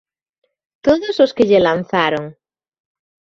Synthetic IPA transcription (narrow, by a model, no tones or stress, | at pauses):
t̪oðozoskeʎelanθaɾoŋ